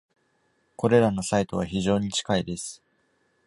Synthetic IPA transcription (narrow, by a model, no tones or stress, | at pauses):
ko̞ɾe̞ɾano̞sait̪o̞β̞açiʑo̞ːɲ̟it͡ɕi̥kaid̪e̞sɨ̥